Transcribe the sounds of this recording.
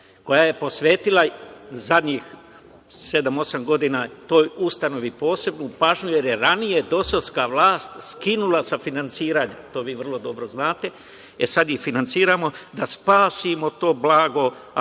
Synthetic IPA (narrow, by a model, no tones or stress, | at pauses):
ko̞jaːje̞po̞sʋeːt̪ilˠazad̪ɲix | se̞d̪amo̞samɡo̞d̪inaːt̪o̞ːjust̪ano̞ʋipo̞ːse̞bnupaːʒɲuje̞ɾje̞ɾanije̞d̪o̞soskaʋlˠaːst̪skinulˠasafinant̪siːɾaːɲat̪o̞ːʋiːʋr̩lˠo̞d̪o̞bɾoznaːt̪e̞ | esad̪jixfinant̪siːɾaːmo̞d̪aspaːsimo̞t̪o̞ːblaːɡo̞